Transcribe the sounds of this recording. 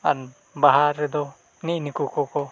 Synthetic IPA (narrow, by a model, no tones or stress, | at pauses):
a̰ɾ | baɦaɾːɛd̪ɔ | niʔnikukɔkɔ